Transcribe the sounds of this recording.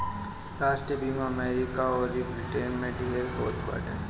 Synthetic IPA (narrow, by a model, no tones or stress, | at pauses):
ɾaːʃʈɾiəbʱiːmaɐmɛːɾɪkaɔːɾibɾɪʈenmẽɖiɦeɾɦo̰ːt̪ba̰ːʈe